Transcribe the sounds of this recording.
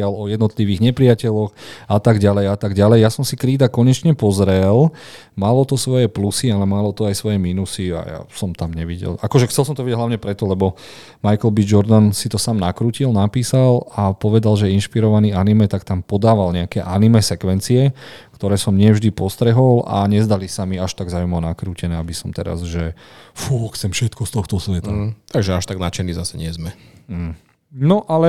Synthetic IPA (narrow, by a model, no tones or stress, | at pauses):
alɔjɛd̪nɔt̪liʋiːɣɲɛpɾiɪacɛʎɔxʔat̪aɡɟalɛjat̪aɡɟalɛjjasɔmsikɾiːd̪akɔɲɛt͡ʃɲɛpɔzɾɛl | malɔt̪ɔsʋɔjɛplusialɛmalɔt̪ɔajsʋɔjɛmiːnusia̰ja̰sɔmt̪amɲɛʋiɟɛ̰lakɔʒɛxt͡sɛlsɔmt̪ɔʋiɟɛɟɦlaʊʋɲɛpɾɛt̪ɔlɛbɔ | majkɛlbid͡ʒɔɾd̪ansit̪ɔsaːmnakɾuːcilnapiːsalapɔʋɛd̪alʒɛinʃpiɾɔʋaniːanimɛt̪akt̪ampɔd̪aːʋalɲɛakɛːʔanimɛsɛkʋɛnt͡siɛkt̪ɔɾɛːsɔmɲɪɛvʒd̪ipɔst̪ɾɛɦɔla̰ɲɛzd̪alisamiaʃt̪aɡzaːʊumɔnakɾuːcɛnɛːabisɔmt̪ɛ̰ɾa̰zʒɛfuːxt͡sɛmfʃɛt̪kɔst̪ɔxt̪ɔsʋɛt̪at̪aɡʒɛaʃt̪aɡnat͡ʃɛniːzasɛɲɪɛzmɛ | nɔʔalɛ